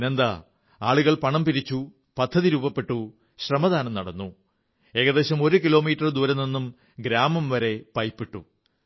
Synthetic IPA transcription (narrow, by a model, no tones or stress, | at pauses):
nend̪ɐ | aːɭuɣɐɭpɐɳɐmpiɾit͡ɕːu | pɐd̪ʱːɐðiɾuːbɐpːe̞ʈːu | ɕrɐmɐðaːnɐmnɐɽɐnːu | e̞ɣɐðe̞ːɕɐmo̞ɾukilo̞ːmiːʈːɐrd̪uʋɐɾɐnːenːum | ɡɾaːmɐmʋɐɾe̞pɐjpːiʈːṵ